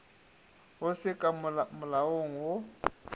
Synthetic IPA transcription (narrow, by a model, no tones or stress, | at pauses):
ɦʊsɪkʼamʊlawoŋ̩wʊ